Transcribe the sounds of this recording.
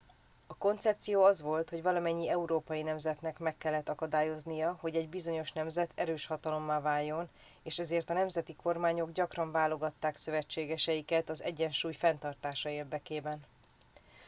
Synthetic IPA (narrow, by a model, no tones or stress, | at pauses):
ɒko̞nt̪sɛp̚t̪sijoːɒzʋo̞lt̪hoɟvɒlɒmɛɲːiɛuɾoːpɒjinɛmzɛt̪nɛkmɛkːɛlːɛt̪ːɒkɒd̪aːjo̞znijɒɦo̞ɟɛɟbizo̞ɲo̞ʃnɛmzɛt̪ʰɛɾøːʃhɒt̪ɒlo̞mːaːvaːjːo̞n | eːʃɛzeːrt̪ɒnɛmzɛt̪iko̞rmaːɲo̞ɡɟɒkrɒɱvaːlo̞ɡɒt̪ːaːksø̞vɛt͡ʃːeːɡɛʃɛjikɛt̪ɒzɛ̰ɟːɛnʃuːjfɛnt̪ɒrt̪aːʃɒeːrd̪ɛkeːbɛn